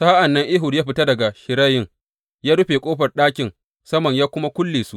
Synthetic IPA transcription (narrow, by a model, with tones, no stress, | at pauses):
saː˦ʔa˨nːɐ˦ŋʔɪ˦ɦʊ˨rjaː˦ɸɪ˨ta˦dɐ˨ɡa˨ʃɪ˨ɾɐ˦jɪ˦ŋ | jaː˦ɽʊ˦ɸeː˨kʷʼoː˦ɸɐ˨rɗaː˦kʲɪ˨ŋ | sɐ˦mɐ˨ɲjaː˦kʷʊ˦ma˦kʷʊ˦lːeː˨su˦